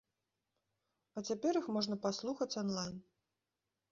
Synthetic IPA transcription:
ɐt͡sʲapʲɛɾixmɔʐnɐpaslˠuxɐt͡sʲɔnlˠajn

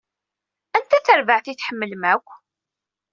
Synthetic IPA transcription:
ænt̪æθəɾvəʕθiθħəmːəlmækʷː

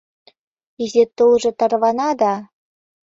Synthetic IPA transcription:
izet̪ːolʒɤ̆t̪ɑrβɑnɑd̪ɑ

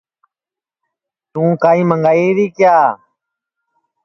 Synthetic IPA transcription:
t̪ũːkaːĩːməŋɡaːiːɾiːkjaː

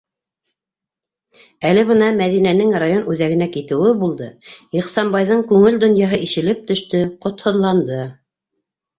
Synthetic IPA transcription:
ælɘβɤnɑmæðinænɘŋrajonʉðæɣɘ̆nækit̪ɘ̆wɘbulˠd̪ɤiqsɑmbɑjðɤɴkʉŋɘld̪ŏnjɑɦɤʔiʃɘ̆lɘp̚t̪ɵ̆ʃt̪ɵqŏt̪hŏðlˠɑnd̪ɤ

